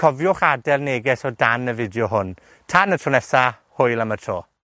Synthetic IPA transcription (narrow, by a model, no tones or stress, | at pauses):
kʰɔvjʊχadɛrneɡɛsɔdanəvɪdjɔɦʊn | tʰanətʰrɔnɛsa | hʊɨlˠamətʰroː